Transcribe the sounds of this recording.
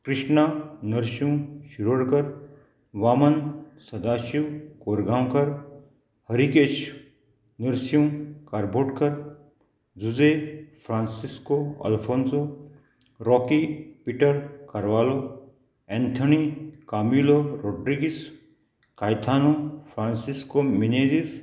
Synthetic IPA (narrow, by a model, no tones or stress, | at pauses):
kɾɪʃnanɐɾsjũʃiɾəɽkɐɾ | ʋaːmɐnsɐd̪aːʃiwkoːɾɡʱãːwkɐɾ | hɐɾiket͡ʃ | nəɾsjũkaɾboːʈkɐɾ | d͡zuzepʰɾaːnsiskoɐ̰lpʰoːnso | ɾɔːkipiʈəɾkɐɾʋaːlo | ɛ̃nt̪ʰɐnikaːmiːloɾoːɖɾiɡis | kaːjt̪ʰaːnopʰɾãːnsiskomineːzis